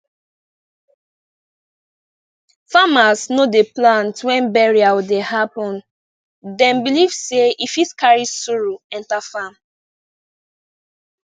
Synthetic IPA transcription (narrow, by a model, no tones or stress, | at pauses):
famasnodeplãntwɛ̃nbɛɹiawidehapɔ̃n | dɛ̃nbilivseʔifitskaɹisuɹuɛ̃ntafam